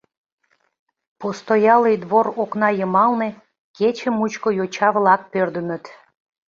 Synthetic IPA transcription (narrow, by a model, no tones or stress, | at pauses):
post̪ojɑlid̪βoɾoknɑjəmɑlne | ket͡ɕəmut͡ɕkojot͡ɕɑβlɑk̚pørd̪əmət̪